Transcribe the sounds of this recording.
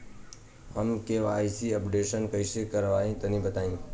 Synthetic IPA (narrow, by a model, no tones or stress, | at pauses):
ɦəmkeːʋaːisiːəpɖeːʃənkəisekəɾʋaːɦĩːt̪ənĩbət̪aːĩː